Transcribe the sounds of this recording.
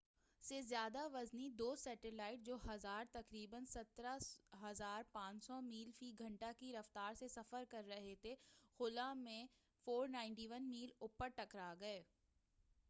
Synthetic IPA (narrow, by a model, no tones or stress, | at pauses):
sezjaːd̪aʋɐznid̪oːsɛːʈɪlaːɪʈ̚d͡ʒoːɦɐzaːɾt̪ɐkɾiːbənsɐt̪ɾaɦɐzaːɾpãːt͡ʃsɔmiːlfiɡʱɐ̃ɳʈakiɾɐft̪aːɾsesɐfəɾkɐɾːɐɦet̪ʰexʊlamẽ | foːɾnãːɪ̃ɳʈiʋənmiːlʊpəɾʈɐkɾaːɡɐeː